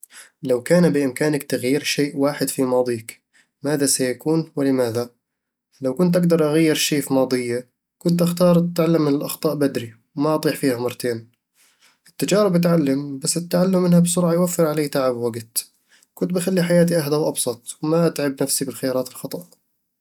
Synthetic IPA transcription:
lawkaːnabɪʔɪmkaːnakt̪aɣjiːɾʃeːʔwaːħɪd̪fimɑːd̪ˤiːk | maːðasajakuːnwɪlɪmaːða | lawkʊnt̪ʔaɡd̪ɑɾˤʔaɣajːɪɾʃeːfimɑːd̪ˤɨjːa | kʊnt̪ʔaxt̪ɑːɾˤt̪ʕalːamːɪnɪlʔɑxt̪ˤɑːʔbad̪ɾi | wmaʔɑt̪ˤiːħfiːhamɑɾˤt̪ʰeːn | ʔɪt̪ːad͡ʒɑːɾɪbɪt̪ʕalːambasːɪt̪ːaʕalːʊmːɪnhabsʊɾˤʕɑjwafːɪɾʕaleːt̪aʕabwaɡt̪ | kʊnt̪̚bɪxalːiħajaːt̪̬iʔahd̪awʔɑbsˤɑt̪ˤwmaʔat̪ʕɪbnafsibɪlxɪjɑːɾˤɑːt̪ɪlxɑt̪ˤɑʔ

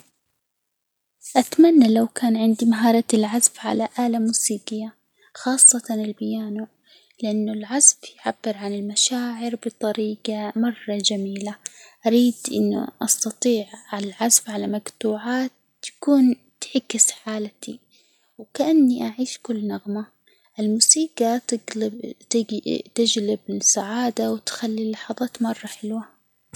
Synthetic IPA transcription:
ʔat̪manːalawkaːnʕɪnd̪imaɦɑːɾˤɑt̪ɪlʕazfʕa̰laʔaːlamuːsiːqɪjːa | xɑːsˤːɑt̪ɑnɪlbɪjaːnu | lɪʔanːʊlʕazfjʕabːɪɾʕanɪlmaʃaːʕɪɾbɨt̪ˤɑɾiːɡamɑrˤːɑd͡ʒamiːlaʔaɾiːd̪ʔɪ̰nːṵʔɑst̪ɑt̪ˤiːʕʕalalʕazfʕalamaɡt̪uːʕaːt̪ː | ḁkuːn | t̪ħɪkːɪsħaːlat̪i | wkaʔanːiʔaʕiːʃkʊlːnɑɣma | ʔɪlmuːsiːqa | t̪ɪd͡ʒlɪbɪsaʕaːd̪awt̪xalːilːɑħɑðˤɑːt̪mɑrˤːɑħɪlwa

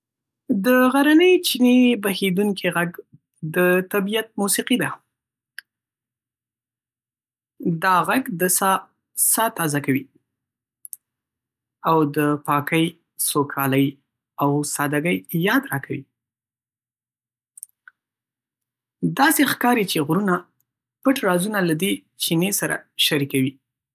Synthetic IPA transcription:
d̪əɣaɾanəjt͡ʃinebahed̪uŋkʰiɣaɡ | d̪ət̪abijat̪̚musiqid̪a | d̪ɑɣaɡd̪əs | sɑt̪ɑzakawi | awd̪əpɑkəj | sokʰɑləj | awsɑd̪aɡəjjɑd̪ɾɑkʰawḭ | d̪ɑsexkɑɾit͡ʃeɣɾuna | pəʈɾɑzunalad̪e | t͡ʃinesaɾa̰ʃaɾikawi

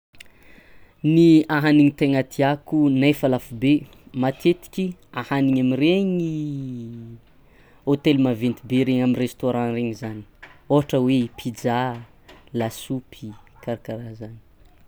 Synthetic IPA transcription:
niaɦaniŋit̪eŋat̪ʰiakunajfalafube | mat̪ʰet̪i̥kʲiahaniɲamireŋi | ot̪elmavent̪ibeɾeŋaminrest̪oɾãreŋizani̥oɦaʈ͡ʂəweipʰid͡za | lasupʰikaɾakaɾazani̥

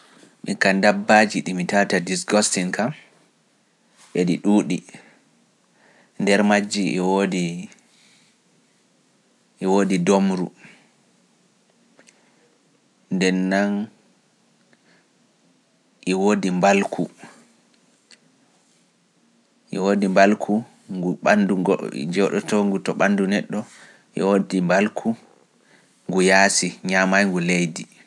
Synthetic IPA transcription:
mikandabːad͡ʒiɗimitatadisɡɔstiŋkam | ʔeɗiɗuːɗi | ndɛɾmad͡ʒːiʔwodi | ʔːwoːdidomɾu | ndɛnːan | ʔiwoːdimbalkʰu | ʔiwoːdimbalkʰu | ŋɡuɓa̰ndṵd͡ʒɔɗɔ̰tɔŋɡutɔɓandunɛɗːɔ | ʔḭwodimbalkʰu | ŋɡujaːsiɲamajŋɡulejdi

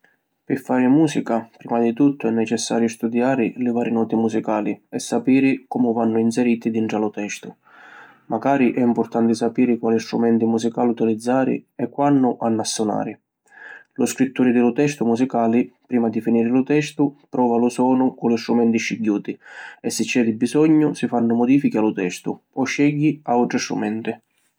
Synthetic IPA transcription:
pɪfːaːɾɪmuːsikapɾiːmad̪it̪ut̪ːʊɛnːɛt͡ʃɛsːaːɾjʊst̪ud̪jaːɾɪlɪvaːɾɪnɔːt̪imusikaːliɛsːapiːɾɪkɔmʊvanːʊinsɛɾiːt̪id̪iɳʈɾalʊt̪ɛst̪ʊ | maɡaːɾiʔɛimpʊɾt̪ant̪ɪsapiːɾɪkwaːlist̪ɾumɛnt̪imusikaːlut̪ilid̪zːaːɾɪ̰ɛkːwanːʊʔanːasːʊna̰ːɾɪ | lʊskɾit̪ːuːɾɪd̪ɪlʊt̪ɛst̪ʊmusikaːlɪpɾiːmad̪ifiniːɾɪlʊt̪ɛst̪ʊpɾɔːvalʊsɔːnʊkʊlist̪ɾumɛnt̪iʃiɟːuːt̪iɛsːɪt͡ʃːɛd̪ɪbːizɔɲːʊsifanːʊmɔd̪iːfikialʊt̪ɛst̪ʊ̰ | ɔʃːɛʎːiauʈɾɪst̪ɾṵmɛnt̪ɪ

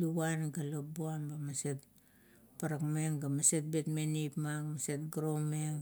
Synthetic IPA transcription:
luanɡalobuanbamaset̚ | paɾakmeŋɡamaset̚betmenipmaŋmasetɡɾomeŋ

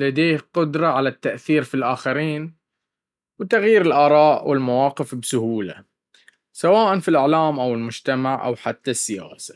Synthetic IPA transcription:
lad̪eːhqʊd̪ɾˤɑʕalat̪ːaʔθiːɾfilʔaːxaɾiːn | wt̪aɣjiːɾɪlʔɑːɾˤɑːʔwɪlmawɑːqɪfbsʊhuːla̰ | sawaːʔanfilʔɪʕlaːmʔawɪlmʊd͡ʒt̪amaʕʔa̰wħat̪ːasːɪja̰ːsḁ

